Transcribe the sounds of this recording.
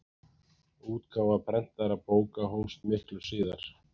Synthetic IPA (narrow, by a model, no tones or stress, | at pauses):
uːt̪kʰaːwvapʰɾɛn̥t̪aɾapoːwkaɦownst̪mɪhklʏ̥siːðaɾ̥